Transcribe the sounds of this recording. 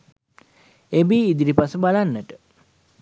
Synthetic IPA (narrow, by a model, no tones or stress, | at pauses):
ebiːd̪iɾipasəbalanːəʈə